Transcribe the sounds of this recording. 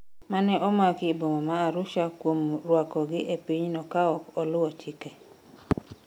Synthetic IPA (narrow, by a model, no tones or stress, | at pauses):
manɛʔɔmakɪbomɔmaːɾʊʃakwomɾwakɔɡɪʔepiɲnɔkaɔkɔlʊɔt͡ʃɪkɛ